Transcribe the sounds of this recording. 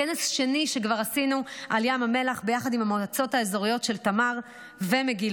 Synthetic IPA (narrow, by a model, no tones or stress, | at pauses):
enesʃe̞niʃekvaʁasinuʔaljamame̞laχbejaχadimamotat͡so̞taezo̞ʁijo̞tʃe̞ltamaʁ | vemeɡil